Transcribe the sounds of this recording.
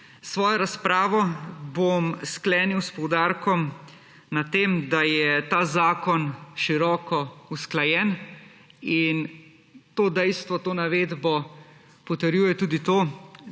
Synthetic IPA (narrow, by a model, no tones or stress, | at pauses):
sʋɔːjɔɾaspɾaːʋɔbomsklɛːniwspɔwd̪aːɾkɔm | nat̪ːeːmd̪ajɛt̪aːzaːkɔnʃiɾɔːkɔusklajɛn | in | t̪oːd̪ɛjst̪ʋɔt̪oːnaʋeːd̪bɔ | pɔt̪ɛɾjuːjɛt̪uːd̪it̪oː